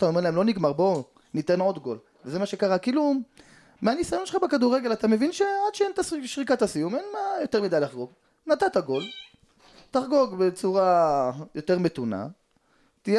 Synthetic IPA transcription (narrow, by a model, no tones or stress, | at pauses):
at̪aomeʁlaemlo̞niɡmaʁbo̞ | nit̪e̞no̞d̪ɡo̞l | veze̞maʃe̞kaʁakilumː | eanisajonʃeχabekad̪uʁeɡe̞lat̪ame̞vinʃe̞ad̪ʃeent̪asiʃʁikat̪hasijumenmajo̞t̪eʁmidajlaχɡo̞ɡ | nat̪at̪aɡo̞l | t̪aχɡo̞ɡbe̞t͡suʁajo̞t̪e̞ʁme̞t̪una̰ | t̪ije